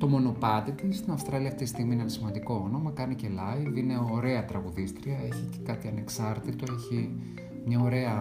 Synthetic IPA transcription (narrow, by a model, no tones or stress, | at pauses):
t̪o̞mo̞no̞pɐt̪it̪ist̪inɐfst̪ɾɐliɐft̪it̪ist̪iɣminenɐsimɐnd̪iko̞ono̞mɐkɐnice̞lɐivine̞o̞ɾe̞ɐt̪ɾɐɣuðist̪ɾiɐeçice̥kɐt̪iɐne̞ksɐɾt̪it̪o̞e̞çi | mɲɐo̞ɾe̞ɐ